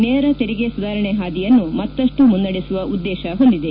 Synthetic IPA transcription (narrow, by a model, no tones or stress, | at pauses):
nɛːɾɐt̪eɾiɡesud̪aːɾɐɳeɦaːd̪ijɐnːumɐt̪ːɐʂʈumunːɐɽesuʋɐʔud̪ːɛːʃɐɦo̞nd̪id̪e